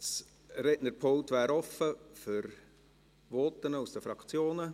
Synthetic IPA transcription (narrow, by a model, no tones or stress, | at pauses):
s | ɾɛdnəɾpʰoltʋæːɾɔfəfʏɾ | vɔt̪ːənəusd̥əfɾɑkt͡sjoːnə